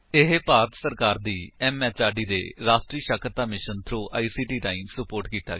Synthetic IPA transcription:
ɪɦpaːɾət̪səɾkaːɾd̪iːɛːmɛːt͡ʃaːɖiːd̪ḛːɾaːsʈɾiːʃəkʰəɾt̪aːmɪʃənt̪ʰɾoːʔa̰ːiːsiːʈiːʈaːiːmsəpoːɾʈkiːt̪a̰ːɡɛ

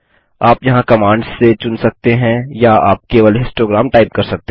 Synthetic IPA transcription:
aːpjɐɦãkɐmãːɳɖzːet͡ʃʊnsɐk̚t̪eɦɛ̃jaaːp̚keːʋəlɪ̃sʈɾoːɡɾaːmʈaːɪp̚kɐɾsɐk̚t̪e

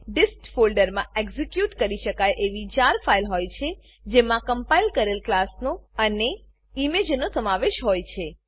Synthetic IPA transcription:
ɖɪskfolɖəɾmãeɡzikjuʈkəɾiʃəkajʔeʋit͡ʃaɾfʰailɦojt͡ʃʰe | d͡ʒemãkəmpailkəɾelklasnoəne | imed͡ʒnosəmaʋeʃɦojt͡ʃʰe

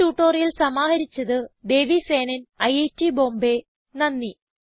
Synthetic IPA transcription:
uːʈːoːrjilsɐmaːɦɐɾit͡ɕːɐðɨɖ̪e̞ːʋise̞ːnɐnɐjetːibo̞ːmbe | nɐnːi

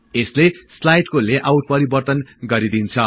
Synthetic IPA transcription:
esleslajʈkoleʔawʈ̚pʌɾibʌrt̪ʌnɡʌɾid̪int͡sʰʌ

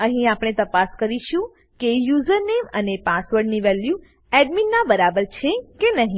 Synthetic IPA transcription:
ə̃ɦĩapɽ̃et̪əpaskəɾiʃũ | kejuzəɾnemənepasʋəɾɖniʋɛlju | ɛɖminːãbəɾabəɾt͡ʃʰekenəɦĩ

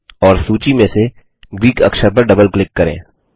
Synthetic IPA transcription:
ɔːɾsuːt͡ʃimẽse | ɡɾiːkɐ̰kʃəɾp̬ɐɾɖɐbəlklɪkːɐɾḛ̃ː

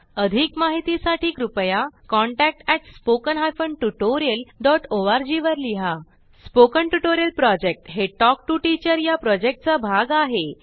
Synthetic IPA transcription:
əd̪ʱiːkmaɦit̪isaʈiːkɾupjakɔɳʈæk̚ʈɛʈspokənɦajfəɳɖʈuʈoɾijəlɖɔʈoʋaɾd͡ʑiʋəɾliɦa | spokəɳʈuʈoɾijəlpɾɔd͡ʑek̚ʈɦeʈɔk̚ʈuʈit͡ɕəɾjapɾɔd͡ʑek̚ʈ̚t͡sabʱaɡaɦe

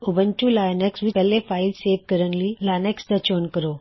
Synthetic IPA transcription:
ʊbənt͡ʃulaːjneksʋipɛɦlefaːɪlseːʋkəɾənlilaːneksd̪at͡ʃoːnkəɾoː

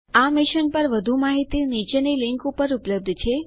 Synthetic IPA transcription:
amɪʃənpəɾʋəd̪ʱumaɦit̪init͡ʃenilɪŋkupəɾʊpləb̚d̪ʱt͡ʃʰe

